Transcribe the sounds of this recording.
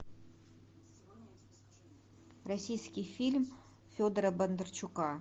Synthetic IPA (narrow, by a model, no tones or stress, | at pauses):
rasʲijskʲijfʲilʲm | fʲod̪ɾəbənd̪ərt͡ɕʰukɑ